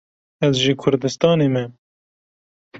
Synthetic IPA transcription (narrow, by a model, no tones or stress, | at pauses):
ɛzʒikʰʊɾd̪ɨst̪ɑːneːmɛ